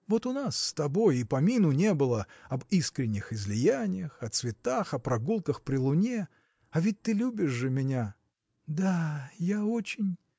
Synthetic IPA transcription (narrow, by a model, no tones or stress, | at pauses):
vo̞t̪ʊnasːt̪ɐbo̞jɪpɐmʲinʊnʲe̞bɨlˠəɐbiskɾʲɪnʲːɪxɪzʲlʲɪjænʲɪjəxɐt̪svʲɪt̪axɐpɾɐɡulˠkəxpɾʲɪlˠʊnʲe | ɐvʲɪt̚ʲt̪ɨlʲubʲɪʂʐɨmʲɪnʲa | d̪ajao̞t͡ɕɪnʲ